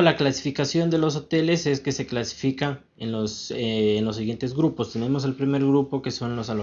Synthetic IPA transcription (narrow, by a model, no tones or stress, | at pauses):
laklasifikasjo̞nd̪e̞lo̞s̬o̞t̪e̞le̞se̞ske̞se̞klasi̥fikan | enloseːnlo̞sːiɣje̞nt̪ezɣɾupo̞st̪e̞ne̞mo̞se̞lpɾime̞ɾɣɾupo̞ke̞so̞nlo̞salo